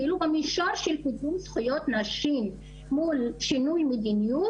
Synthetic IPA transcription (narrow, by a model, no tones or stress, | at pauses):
ilubamiʃalʃelkid̪umsχujo̞t̪naʃim | mulʃinujmed̪iniju